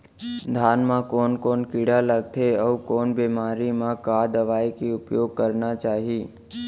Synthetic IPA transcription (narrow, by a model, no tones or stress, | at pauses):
d̪ʱaːnmãkɔːnkɔːnkɪɽaləɡ̚t̪ʰeɔːʋkɔːnbemaːɾimãkaːd̪əʋaːikiʊpjoːɡ̚kəɾnat͡ʃaːɦiː